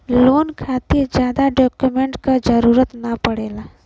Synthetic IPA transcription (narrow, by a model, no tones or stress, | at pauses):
loːnkʰaːt̪id͡ʒjaːd̪aɖɔːkjumẽɳʈkad͡ʒəɾuːɾət̪napəɽeːla